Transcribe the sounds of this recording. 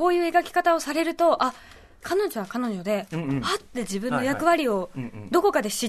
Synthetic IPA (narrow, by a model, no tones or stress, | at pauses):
o̞ːjɯ̟ːe̞ɡakʲi̥kat̪ao̞saɾe̞ɾɯ̟t̪o̞ʔa | kʰano̞ʑo̞βakano̞ʑo̞d̪e̞at̪ːe̞ʑibɯ̟̃nːo̞jakɯ̟βaɾʲio̞d̪o̞ko̞kad̪e̞ɕi